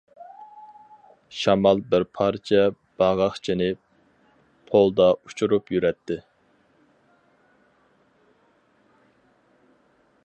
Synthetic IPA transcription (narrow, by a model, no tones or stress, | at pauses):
ʃɑmɑlˠbɪɾpʰɑɾt͡ʃʰɛ | b̥ɑʁɑχt͡ʃʰɪnɪ | pʰolˠd̪ɑut͡ʃʰuɾupjyɾɛt̪ʰːɪ